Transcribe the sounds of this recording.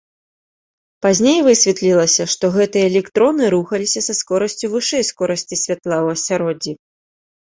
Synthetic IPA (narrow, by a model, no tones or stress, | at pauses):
pazʲnʲejvɨsʲvʲɛt̪lʲilˠɐsʲɐʂt̪ɔɣɛt̪ɨjɐlʲɛkt̪ɾɔnɨɾuxɐlʲisʲɐsɐskɔɾɐsʲt͡sʲuvɨʂɛjskɔɾɐsʲt͡sʲisʲvʲat̪lˠawɐsʲaɾɔd͡zʲi